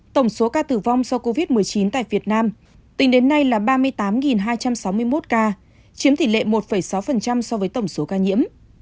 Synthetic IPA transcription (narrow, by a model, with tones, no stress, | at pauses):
t̪ə˧˩wŋ͡mso˨˦kaː˧t̪ɨ˧˩va˧wŋ͡msɔ˧wko˧vi˦˥t̚mɨ˨˩əjt͡ɕi˨˦nt̪a̰ː˧˨jvi˨˩ət̚naː˧m | t̪ï˨˦ŋɗe˨˦nːa˧jlaː˨˩ɓaː˧mɨ˧əjt̪aː˨˦mŋi˨˩nɦaː˧jt͡ɕa˧msa˨˦wmɨ˧əjmo˦˥t̚kaː˧ | t͡ɕi˨˦əmt̪ʰi˧˨˩lḛ˧˨mo˨˩t̚fə˧˩jsa˨˦wfə˨˩nt͡ɕa˧msɔ˧vəː˨˦jt̪ə˧˩wŋ͡mso˨˦kaː˧ɲḭ˧˥əm